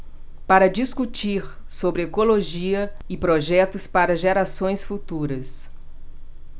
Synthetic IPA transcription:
paɾɐd͡ʒiskut͡ʃiɾ | sobɾɪekoloʒiɐɪpɾoʒɛt̪ʊspaɾɐʒeɾasõj̃sfut̪uɾɐs

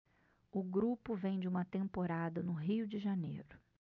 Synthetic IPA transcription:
ʊɡɾupʊvẽj̃d͡ʒɪũmɐt̪ẽmpoɾad̪ɐnʊɦiwd͡ʒɪʒanḛjɾʊ

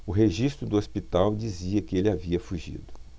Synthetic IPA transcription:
ʊɦeʒist̪ɾʊd̪ʊospit̪awd͡ʒiziɐkɪelɪaviɐfuʒḭd̪ʊ

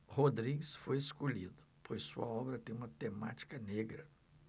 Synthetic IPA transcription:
hod̪ɾiɡɪsfojeskoʎid̪ʊ | pʰojssuɐɔbɾɐt̪ẽj̃ũmɐt̪ema̰t͡ʃi̥kɐneɡɾɐ

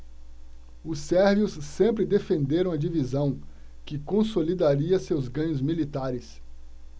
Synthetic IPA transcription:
ʊsɛɾviʊsːẽmpɾɪd̪efẽnd̪eɾɐ̃w̃ɐd͡ʒivizɐ̃w̃ | kɪkõsolid̪aɾiɐsewzɡɐ̃ɲʊzmilit̪aɾɪs

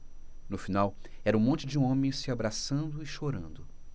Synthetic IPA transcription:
nʊfinawɛɾɐũmõnt͡ʃɪd͡ʒɪũõmẽj̃sɪabɾasɐ̃nd̪ʊɪʃoɾɐ̃nd̪ʊ

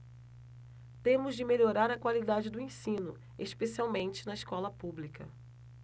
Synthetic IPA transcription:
t̪ẽmʊzd͡ʒɪmeʎoɾaɾɐkwalid̪ad͡ʒɪd̪ʊẽsĩnʊ̰ | eʃpesiawmẽnt͡ʃɪ̥nɐɪʃkɔlɐpublikɐ̰

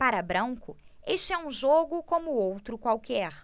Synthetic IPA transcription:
paɾɐbɾɐ̃ŋkʊeʃt͡ʃɪɛũʒoɡʊkõmʊowt̪ɾʊkwawkɛɾ

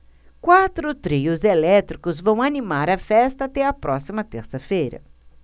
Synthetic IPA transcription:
kwat̪ɾʊt̪ɾiʊzelɛt̪ɾikʊzvɐ̃w̃animaɾɐfɛst̪ɐːt̪ɛɐpɾʔɔsimɐt̪eɾsɐfejɾɐ̰

